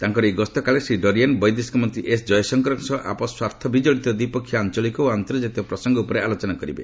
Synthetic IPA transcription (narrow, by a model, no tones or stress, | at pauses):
t̪aŋkɔɾejɡɔst̪ɔkaɭesiɖɔɾianbɔjd̪iskmɔnt̪ɾiʔesd͡ʒɔjɔsɔŋkɔɾɔŋsɔʔa̰pɔswaɾt̪ʰɔbid͡ʒɔɭit̪ɔd̪ipɔkʰːjɔant͡ʃɔlikɔoant̪ɔɾɔd͡ʒat̪jɔpɾɔsɔŋɡɔupɔɾealot͡ʃɔnakɔɾibḛ